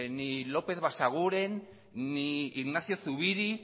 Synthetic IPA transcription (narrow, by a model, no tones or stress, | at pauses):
nilo̞pe̞θβasaɣ̞uɾe̞nː | iiɣnaθjo̞θuβiɾi